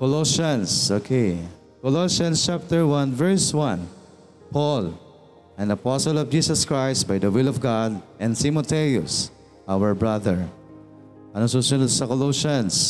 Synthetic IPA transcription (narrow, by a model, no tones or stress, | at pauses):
kɔloʃãnsokʰe | kɔloʃɐ̃nst͡ʃap̚t̪ɛɹwãnvɛɹswãn | pʰɔl | ʔɛ̃nd̪ɐpɔsɔlɔvd͡ʒiːsɐskɹajst̪̚bajd̪ɐwɪlɔvɡad̪̚ʔɛ̃nt̪imɔt̪ɛjʊ̰s | ʔawəɹbɹaðɛɹ | ɐnososʊnsɐkɔloʃãns